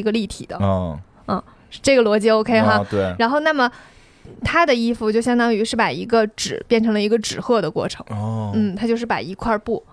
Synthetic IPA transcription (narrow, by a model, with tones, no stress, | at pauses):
i˧˥ɡə˧li˥˩t̪ʰḭ˨˩d̪ə̰˦˧˥ | ʂ̩˥˧ʈ͡ʂɤ˥˩ɡə˩lwɔ˧˥t͡ɕi˥o˥ʊkʰe˥ɪxa˥˧t̪we˥˩ɪɻa˧˥nxo˥˧ʊna˥˩mə˩ | t̪ʰa˥d̪ə˨i˥fu˧t͡ɕjo˥˩ʊɕjɑ˥ŋt̪ɑ˥ŋy˧˥ʂɻ̩˥˩pa˨˩ɪi˧˥ɡə˧ʈ͡ʂɻ̩˨˩pjɛ˥˩nʈ͡ʂʰɤ˧˥ŋlə˧i˧˥ɡə˧ʈ͡ʂɻ̩˨˩xɤ˥˩d̪ə˩kwɔ̰˥˩ʈ͡ʂʰɤ̰˧˥ŋ˧n̩˥˩t̪ʰa˥t͡ɕjo˥˧ʊʂɻ̩˥˩pa̰˨˩i˧˥kʰwa˥˧pu˥˩